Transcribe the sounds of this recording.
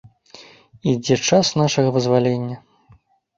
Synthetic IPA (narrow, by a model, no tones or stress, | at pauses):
id͡zʲɛt͡ʂasnaʂɐɣɐvɨzvalʲenʲːɐ